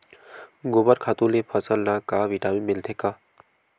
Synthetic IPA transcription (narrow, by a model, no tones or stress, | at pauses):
ɡobəɾkʰaːt̪ũlepʰəsəlnakaːʋiʈaːmĩmɪlt̪ʰekaː